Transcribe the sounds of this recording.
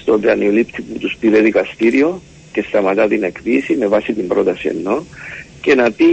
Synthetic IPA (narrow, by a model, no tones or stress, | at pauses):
st̪od̪eɐniolipt̪iput̪uspiɾeðikɐst̪iɾio̞ | ce̞st̪ɐmɐt̪ɐt̪inekpisime̞vɐsit̪imbɾo̞t̪ɐsiḛnːo̞ce̞nɐpi